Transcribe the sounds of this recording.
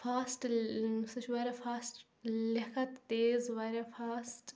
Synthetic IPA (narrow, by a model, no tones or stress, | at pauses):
fʰaːsʈsɐt͡ʃʰʋɐɾɐfʰaːsʈ | lɐkʰɐt̪ːeːzʋɐɾɐfʰaːsʈ